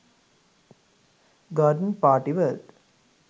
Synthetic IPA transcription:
ɡaːɖənpaːʈiʋəlt̪

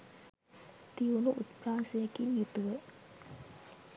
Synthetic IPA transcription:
t̪iunuʔut̪praːsejəkinjut̪uʋə

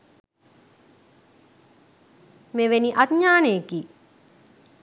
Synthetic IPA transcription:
meʋeniʔatɲaːneki

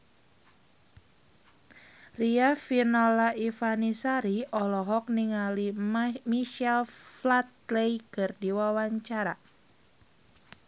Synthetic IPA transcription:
riafinɔlaʔifanisaɾiɔlɔɦɔk̚niŋalimiʃalflat̪̚lejkɨrdiwawaɲt͡ʃaɾa̰

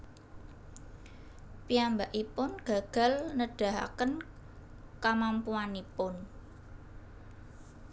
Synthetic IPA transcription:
piambaʔipʊnɡ̥a̤ɡ̥a̤lnəɖ̥a̤ɦa̰kən | kamampuanipʊn

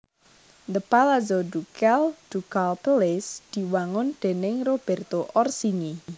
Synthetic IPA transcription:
nd̪əpalazɔdukɛld̥ukalpəlɪsd̪̥i̤waŋʊnd̪̥e̤nɪŋrob̥ɛ̤rt̪oʔɔrsiŋi

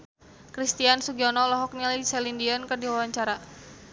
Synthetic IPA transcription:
kɾist̪iansuɡɔnɔlɔɦɔk̚nilajsɛlindiɔnkɨrdiwawaɲt͡ʃaɾa

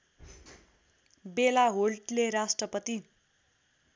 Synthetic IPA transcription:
belaɦolʈleɾasʈrʌpʌt̪i

